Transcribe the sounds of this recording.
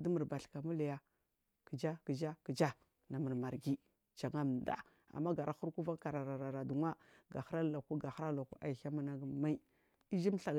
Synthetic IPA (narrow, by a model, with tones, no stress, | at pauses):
du˦mu˨ɾba˨ɬka˨mu˦la˨ja˦ | kə˨d͡ʒa˦kə˨d͡ʒa˦ki˨d͡ʒa˦ | na˨mə˨ɾma˨ɾɡi˦ | d͡ʒa˨ŋa˦m˨da̰˦ | a̰˨mːa˦ɡa˨ɾa˨˦xu˦ɾku˦va˦ka˨ɾa˨ɾa˨ɾa˨ɾa˨du˨ŋwa˦ɡa˨xɾa˦la˨ku˦ɡa˨xɾa˦la˨ku˦ʔa˨i˨xa˦ma˦na˦ɡma˦i˦ | i˦d͡ʒi˦m˦ɬa˨ɡ